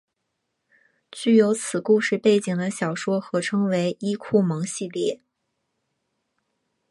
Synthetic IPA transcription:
t͡ɕy˥˩jo˧˥ʊt͡sʰɹ̩˨˩ku˥˧ʂɻ̩˥˧pe˥˩ɪt͡ɕi˨˩ŋd̪ə˦ɕjɑ˨˩ʊʂwɔ˥xɤ˧˥ʈ͡ʂʰɤ˥ŋwe˧˥ɪʔi˥kʰu˥˩mɤ˧˥ŋɕi˥˧ljɛ˥˩

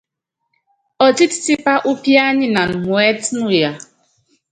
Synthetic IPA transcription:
ɔ˨ti˦ti̥˨ti˦pa˦ʔu˦pi˦a˦ɲɪ˦na˨n̩˨mwe˦tnʊ˦ja˦

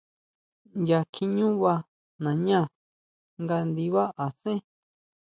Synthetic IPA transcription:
ja˧kʰi˧ɲũ˦βa˧ | nã˨ɲã˦˨ | ŋɡa˧nd̪i˧βa˦ʔa˨sẽ˦

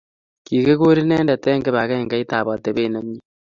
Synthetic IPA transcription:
ki˨ke˦ɣo˦ɾi˦nɛː˦nda˨tɛː˦ŋɡe˦βa˨ɣɛ˦˨ŋɡa˦i˦ta˨βɔ˨te˨βeː˦˨na˦ɲɲi˦

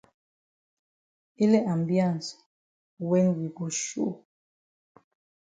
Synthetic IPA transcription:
i˦lɛ˦ʔa˨mbjã˦˨n˨s | wɛ˦ŋwi˨bɔ˨ʃu˦ʔ

